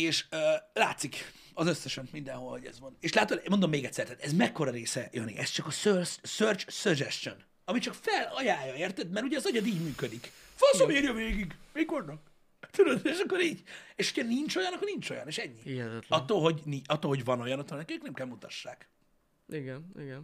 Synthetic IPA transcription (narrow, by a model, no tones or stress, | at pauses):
eːʃøːlaːt̪sik | ɒzøsːɛʃɛnmind̪ɛnɦo̞lhoɟɛ̰zʋɒneːʃlaːt̪olmo̞nd̪o̞mːeːɡɛt̪sːɛrt̪aːt̪ɛzmɛkːo̞ɾɒɾeːsɛjø̰nḭʔɛst͡ʃɒkɒsørssørt͡ʃsørd͡ʒɛʃt͡ʃø̰n | ɒmit͡ʃɒkfɛlɒjaːjɒeːrt̪ɛt̪mɛɾuɟɛːzɒɟɒd̪iːɟmyːkød̪ikfɒnsomeːɾjɒveːɡiɡmiko̞rnɒk | t̪yɾød̪eʃɒkːoɾiːɟeʃocʰɒnint͡ʃo̞jɒnɒkːornint͡ʃo̞̰jɒ̰neːʃɛɲːiɛtɒt̪ːoːlɦo̞ɟniɒt̪ːolho̞ɟvɒno̞jɒnɒt̪ːolnɛkɛøknɛmkɛlmut̪ɒʃːaːk | iɡɛnḭɡɛn